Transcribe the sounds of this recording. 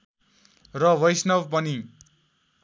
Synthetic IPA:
rʌwʌjsnʌwpʌni

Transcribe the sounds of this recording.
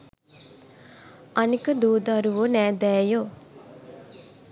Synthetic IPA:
ɐnikəd̪uːd̪ɐɾuʋonɛːd̪ɛːjoː

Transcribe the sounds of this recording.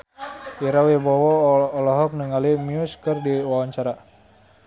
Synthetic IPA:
iɾawibɔwɔːlɔɦɔk̚nəŋalimiuskərdiwawaɲt͡ʃaɾa

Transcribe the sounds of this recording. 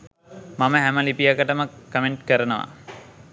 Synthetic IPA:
maməɦæməlipijakəʈəməkːəmeɳʈkəɾənəʋa̰

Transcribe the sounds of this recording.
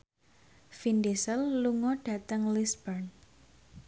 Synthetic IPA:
finɖisəlːuŋɔɖ̥ä̤t̪əŋlisbərn

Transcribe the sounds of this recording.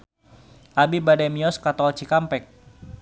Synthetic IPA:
ʔabibadɛmiɔskat̪ɔlt͡ʃikampɛk̚

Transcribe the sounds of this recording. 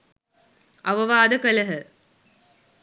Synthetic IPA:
ʔɐʋɐʋaːd̪ɐkɐlɐɦə

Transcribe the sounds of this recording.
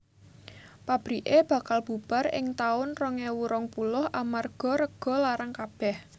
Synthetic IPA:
pab̥ɾiʔeb̥a̤kalb̥ṳb̥a̤ɾɪ̰ŋt̪aʊnrɔŋɛwuɾɔŋpulʊhʔamarɡ̥ɔ̤ɾəɡ̥ɔ̤laɾaŋkab̥ɛh

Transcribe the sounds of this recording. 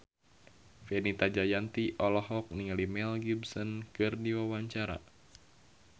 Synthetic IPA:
fɛnit̪ad͡ʒajant̪iʔɔlɔɦɔk̚niŋalimɛlɡibsɔnkɨrdiwawaɲt͡ʃaɾa̰

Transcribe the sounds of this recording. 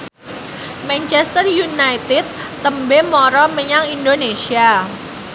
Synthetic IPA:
mɛnt͡ʃɛst̪ərjunajt̪ɪd̪̚ | t̪ːəmbemɔɾɔməɲaŋindonesia

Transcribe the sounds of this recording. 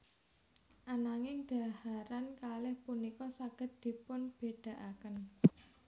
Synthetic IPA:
ʔanaŋɪŋɖ̪̥a̤haɾankalɪhpunikɔsaɡ̥ə̤t̪̚d̪̥i̤pʊnb̥eɖ̥a̤ʔakən

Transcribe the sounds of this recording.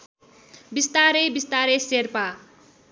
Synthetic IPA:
bist̪aɾebist̪aɾeserpa

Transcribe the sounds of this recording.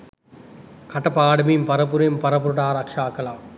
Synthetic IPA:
kɐʈːɐpaːɽɐmimpɐɾɐpuɾɐmpɐɾɐp̬uɾɯʈaːɾɐkʂaːkːɐlaː

